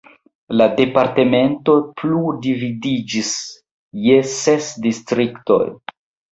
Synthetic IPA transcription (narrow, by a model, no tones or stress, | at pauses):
lade̞paɾte̞me̞nto̞pludividid͡ʒis | jese̞sdistɾikto̞̰j